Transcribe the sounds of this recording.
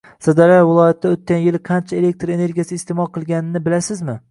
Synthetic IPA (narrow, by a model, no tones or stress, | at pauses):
sad̪aɾavɪlˠɒjat̪ʰːaot̪̚kʲanjɪlqʰɑnt͡ʃʰaele̞k̚ʲt̪ɾe̞ne̞ɾɡʲijasɪːst̪emɒlˠqʰɨlˠɡʲanɪnɪbɪlasɪzmɪ